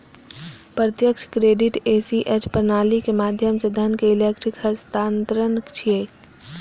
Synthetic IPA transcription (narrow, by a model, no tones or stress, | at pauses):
pɾət̪jəkʃkɾeːɖiʈeːsiʔet͡ʃpəɾnaːlikemaːd̪ʱjəmsed̪ʱənkeɪlekʈɾikhəst̪aːnt̪ɾənkt͡ʃʰieːk